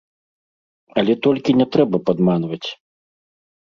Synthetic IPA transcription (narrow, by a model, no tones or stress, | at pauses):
ɐlʲɛt̪ɔlʲkʲinʲɛt̪ɾɛbɐpad̪manvɐt͡sʲ